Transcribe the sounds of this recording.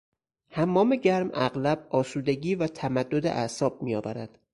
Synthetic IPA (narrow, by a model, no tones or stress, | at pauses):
hæmːɒːme̞ɟæɾmæ̰ɣlæb̥̚ɒːsuːd̪e̞ɟiːvæt̪ʰæmæd̪ːod̪ḛʔæsɒːb̚mijɒːvæɾæd̪̥